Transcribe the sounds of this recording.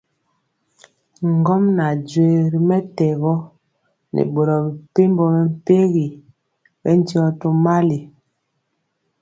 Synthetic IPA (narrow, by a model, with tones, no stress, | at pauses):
ŋ˨ɡɔ˦mna˨d͡ʒwe˨ɾi˨mɛ˦tɛ˨ɣɔ˦ | nʔḛ˨ɓo˨ɾɔ˨bi˨pe˦m˦bɔ˨ɣɛ˨m̩˨pe˦ɣi˨ | bɛ̰˦n˦ti˦ɔ˦to˦ma˦li˨